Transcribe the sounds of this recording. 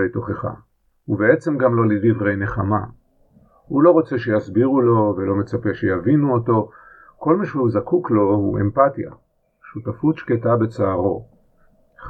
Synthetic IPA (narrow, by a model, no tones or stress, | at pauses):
ejto̞χeχa̰ | huvee̞t͡se̞mɡamlo̞lidivʁe̞jne̞χama̰ | hulo̞ʁo̞t͡se̞ʃejasbiʁulo̞ve̞lo̞me̞t͡sape̞ʃejavinuoto̞ | ko̞lmaʃehuzakuklo̞hue̞mpatija̰ | ʃutafutʃketabe̞t͡saːʁo̞̰